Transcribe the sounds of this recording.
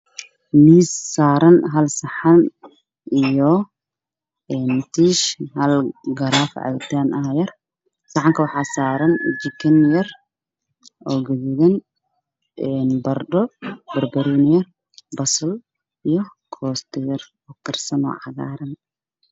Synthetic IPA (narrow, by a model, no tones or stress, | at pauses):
niːsːaːɾɐnɦɐlsɐħan | ijɔ | ɛːnt̪ʰiːʃɦɐlɡɐɾaːfʕa̰jt̪ʰaːnɐjɐr | sɐħɑŋkʰɐwɑħɑːsaːɾɐnd͡ʒɪkʰɪnjɐr | ʔɔːɡɐɣɪɣɐn | ɛnbɐrdɔbɐrbɐɾɛːnjɐr | bɐsɐl | ijɔ | kʰɔːst̪ʰɔjɐr | ɔːkʰɐrsɐnɔ̰ʕɑɣa̰ːɾɐn